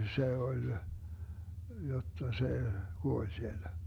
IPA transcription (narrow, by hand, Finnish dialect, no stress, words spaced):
se olʲ jotːɑ se kuolʲ sielːæ